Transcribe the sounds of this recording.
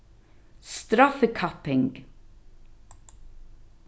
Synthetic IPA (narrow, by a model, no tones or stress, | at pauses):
st̪ɾafəkʰapɪŋɡ